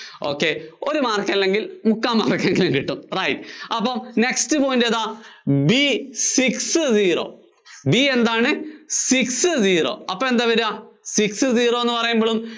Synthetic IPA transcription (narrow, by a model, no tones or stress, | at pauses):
o̞̰ːkːeoɾumaːrkːɐilːeŋɡilmukːaːmːa̰ːrkːeŋɡiluŋkiʈːumrɐjtɐpːɐːmne̞kstɨpoːjindɐðaːbisiksɨziːro̞̰ː | bie̞nd̪aːɳɨsiksɨziːro̰ːɐpːɐme̞nd̪aʋɐɾaːsiksɨziːroːenːɨpɐrɐjumboɭum